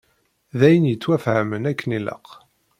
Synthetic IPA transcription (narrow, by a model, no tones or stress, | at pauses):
ðæjənjət͡sːwæfhəmənækːənilə̰q